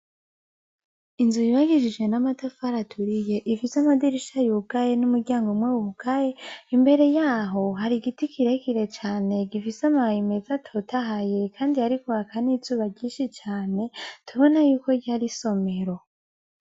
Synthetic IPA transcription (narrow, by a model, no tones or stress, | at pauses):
inzujiβaɡiʒid͡ʒɡwe̞namatafaɾatʰuɾije̞ʔifisamadiɾiʃajuɡajenumuɾɟaːŋɡomwewuuɡaje̞imbe̞ɾe̞jaːɦo̞ɦaɾiɡitikʰiɾekiɾe̞t͡ʃaːne̞ɡifisamaime̞zatʰo̞tʰaɦaje̞kʰaːndiaɾikuβakʰanizuːβaɟɟiːnʃit͡ʃaːne̞tuβo̞najuːko̞ɟaɾiso̞me̞ɾo̞